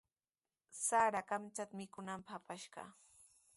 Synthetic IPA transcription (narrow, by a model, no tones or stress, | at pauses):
saɾakamt͡ʃat̪amɪkʊnampaχapaʃɢɑ̰